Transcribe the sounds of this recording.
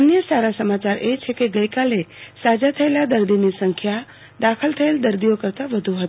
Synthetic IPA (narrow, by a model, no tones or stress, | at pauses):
ənjəsaɾasəmat͡ʃaɾet͡ʃʰekeɡəikalesad͡ʒat̪ʰəelad̪əɾd̪inisəŋkʰja | d̪akʰəlt̪ʰəeld̪əɾd̪ijokəɾt̪aʋəd̪ʱuɦət̪